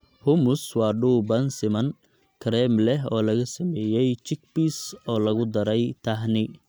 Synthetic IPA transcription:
hʊmʊswɑːɖuːbɐnsɪmɐn | kʰɾɛmlɛɦɔːlɐɣɐsɐmɛːjɛjt͡ʃɪk̚bisɔːlɐɣʊd̪ɐɾɛjt̪ʰɐɦnɪ

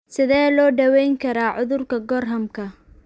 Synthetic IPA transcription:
sɪðɛːlɔːɖɐwɛjŋkʰɐɾaːʕʊðʊrkʰɐɡɔːrɦɐmkʰɐ

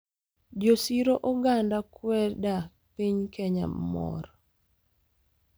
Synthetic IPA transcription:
d͡ʒosiɾoʔɔɡandakwɛda | piɲkʰɛɲa̰mmɔ̰ɾ

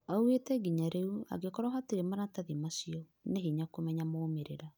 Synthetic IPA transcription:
auetɛɡiɲaɾeua̰ɡekɔɾɔɦateɾemaɾataðimasiɔ | neɦeɲakomɛɲamaomeɾeɾa

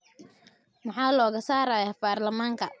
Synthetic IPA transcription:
mɑħɑːlɔːɣɐsaːɾaːjaːbaːrlɐmaːŋkʰɐ

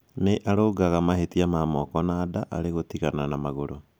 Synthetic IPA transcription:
neʔaɾoːɡaɣamahetiamamɔkɔnaːdaʔa̰ɾeɣotiɣananamaɣoɾo

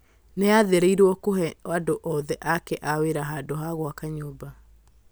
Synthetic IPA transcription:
neaðeɾeiɾwɔkoɦɛadoʔɔðɛʔakɛʔaweɾaɦaːdoɦaɣwakaɲoːba

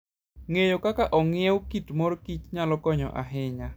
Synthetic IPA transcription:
ŋejokakaʔɔŋɪewkitmoɾkit͡ʃɲalɔkɔɲɔ̰ʔa̰ɦɪɲa

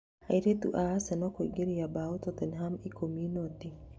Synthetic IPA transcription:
aiɾet̪ṵʔaasɛnɔkoiɡeɾijabaut̪ɔt̪ɛnɦamikomjunot̪i

